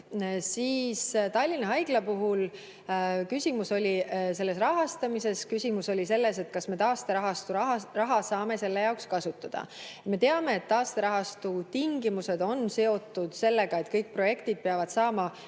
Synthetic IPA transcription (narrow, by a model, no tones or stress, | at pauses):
siːst̪ɑlʲːinɑɦɑjɡ̥lɑpuɦul | kysʲimuso̞lʲise̞lːe̞s̬rɑɦɑst̪ɑmise̞skysʲimuso̞lʲise̞lːe̞se̞t̪̚kɑsme̞t̪ɑːst̪eɑɦɑst̪uɑrɑɦɑsɑːme̞se̞lːe̞jɑokskɑsut̪ˑːɑd̪̥ɑ̰me̞t̪e̞ɑme̞ːt̪ːɑːst̪eɾɑɦɑst̪ut̪iŋɡimuse̞d̪̥o̞nse̞o̞t̪ːˑud̪̥se̞lːe̞ɡ̥ɑe̞t̪kɤjk̚pro̞je̞kt̪id̪̚peɑvɑd̪̥sɑːmɑ